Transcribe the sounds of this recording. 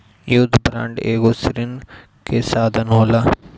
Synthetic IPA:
jud̪ʱbɾã̰ːɳɖeːɡosɾɪn | kʰesaːd̪ʱənɦoːla

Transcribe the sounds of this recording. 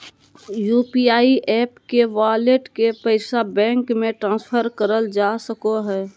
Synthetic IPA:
juːpiaːiʔɛːpkeʋaːleʈkepəɪsabɛ̃ːŋkmẽʈɾãːnspʰəɾkəɾəld͡ʒaːsəkoɦɛː

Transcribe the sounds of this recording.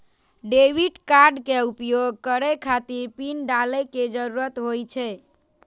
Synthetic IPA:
ɖebiʈkaɾɖkeupjoɡ̚ʱkəɾɛkʰat̪iɾpinɖaləked͡ʒəɾuɾət̪ɦojt͡ʃʰɛ

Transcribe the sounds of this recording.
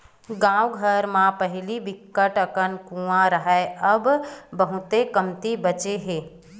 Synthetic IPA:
ɡãwɡʱəɾmãpəɦɪlibɪkːəʈəkənkũːãɾəɦaeəbbəɦʊt̪ekəmt̪ibət͡ʃeɦeː

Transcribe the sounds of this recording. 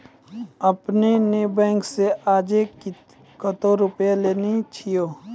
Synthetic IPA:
əpneneːbɛ̃ːŋkseʔaːd͡ʒe | kət̪oɾʊpjeleːnet͡ʃʰijoː

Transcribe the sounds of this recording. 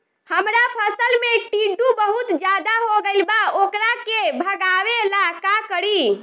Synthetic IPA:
həmɾapʰəsəlmeʈiɖubəɦut̪d͡ʒad̪aɦoɡeɪlbaokɾakebʱəɡaʋelakakəɾi

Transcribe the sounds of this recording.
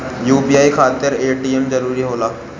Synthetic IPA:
juːpiaːikʰaːt̪ɪɾeːʈiːemd͡ʒɐɾuːɾiɦoːlaː

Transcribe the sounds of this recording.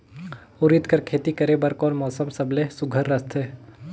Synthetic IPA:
ʊɾɪt̪kɐɾkʰeːt̪ikɐɾebɐɾkɔːnmɔːsəmsɐblesʊɡʱəɾːɐst̪ʰɦɛː

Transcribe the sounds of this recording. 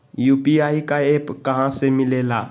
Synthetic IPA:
juːpiaikaepkɐɦãsemɪlela

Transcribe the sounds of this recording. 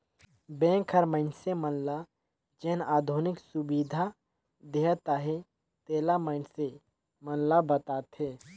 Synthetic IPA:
bɛ̃ːŋkʰəɾməɪnsemənla | d͡ʒɛːnaːd̪ʱunɪksʊbiːd̪ʱa | d̪eɦt̪aɦe | t̪eːlaməɪnse | mənlabət̪aːt̪ɦeː

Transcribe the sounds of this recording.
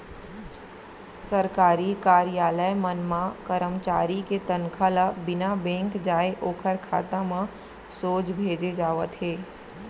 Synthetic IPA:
səɾkaːɾikaːɾijaːləjmənmãkəɾəmt͡ʃaːɾiket̪ənkʰələbɪnabɛ̃ːŋkd͡ʒaːeʔoːkʰəɾkʰa̰ːt̪amã | soːt͡ʃbʱeːd͡ʒed͡ʒaːʋət̪ɦeː

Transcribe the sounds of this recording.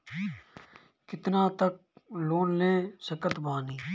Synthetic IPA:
kɪt̪naːt̪ək̚ | loːnlẽːsəkət̪baːniː

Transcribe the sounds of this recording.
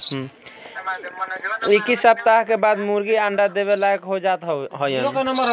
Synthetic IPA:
ɦ | ikisap̚t̪aɦkebad̪muɾɡiãɳɖad̪eβelajkɦod͡ʒat̪ɦɦəjə̃n

